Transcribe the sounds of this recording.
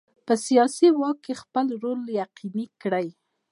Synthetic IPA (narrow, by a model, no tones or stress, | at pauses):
pəsijɑsiwɑkːexpəlɾoljaqinikɽaj